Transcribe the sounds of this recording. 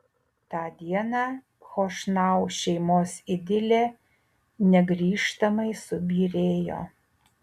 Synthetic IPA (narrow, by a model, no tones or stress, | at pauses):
t̪ɑːd̪ʲiɛnɑː | xoːʃnɑˑʊʃʲɛɪmoːsɪd̪ʲɪlʲeː | nʲɛɡɾʲiːʃt̪ɐmɐɪsʊbʲiːɾʲeːjo̰ː